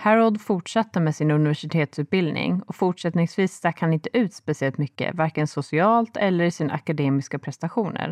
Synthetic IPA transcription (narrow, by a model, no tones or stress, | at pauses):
hæɾɔld̪fʊʈʂat̪ːəmɛːsɪnɵnɪvæʂɪt̪ʰeːt̪sʉ̟ːt̪̚bɪld̪nɪ̰ŋɔfʊʈʂɛt̪nɪŋsviːst̪ækhanɪnt̪əʔʉ̟ːt̪spɛsɪɛlt̪mʏkːə̰vaɾkənsʊsɪɑːlt̪ɛlːəɾɪsɪna̰ʔa̰kad̪eːmɪskapʰɾɛst̪aɧuːnə̰ɾ